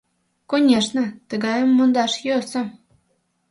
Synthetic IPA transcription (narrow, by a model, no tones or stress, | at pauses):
konʲeʂnə̆t̪əɡɑjə̆mːond̪ɑʃjøsɤ̆